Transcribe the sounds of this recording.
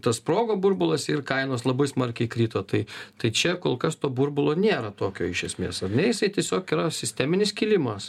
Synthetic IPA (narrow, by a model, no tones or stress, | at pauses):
t̪ɐspɾoːɡoːburbʊlˠɐsɪrkɐɪnoːslˠɐbɐɪsmɐrʲkʲɛɪkɾʲiːt̪oːt̪ɐɪt̪ɐɪt͡ʃʲɛkoːlˠkɐst̪oːburbʊlˠoːnʲeːɾɐt̪oːkʲoːɪʃʲɛsʲmʲeːsɐrʲnʲɛjɪsɐɪt̪ʲiɛsʲoːkiːɾɐsʲɪsʲt̪ʲæːmʲɪnʲɪskʲilʲɪmɐs